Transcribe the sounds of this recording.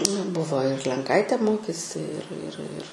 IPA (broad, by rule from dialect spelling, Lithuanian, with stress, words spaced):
nɐ ˈbʊʋoː ɪr lʲɛŋˈkɐɪtʲeː ˈmoːkʲeːsʲɪ ɪr ɪr ɪr